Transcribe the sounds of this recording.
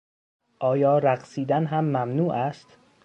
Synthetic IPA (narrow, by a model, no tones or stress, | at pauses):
ʔɒːjɒːɾæɣsiːd̪ænɦæmːæmnuːʔæst̪